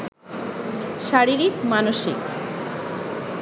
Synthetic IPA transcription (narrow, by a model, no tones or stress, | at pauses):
ʃaɾiɾikmanoʃik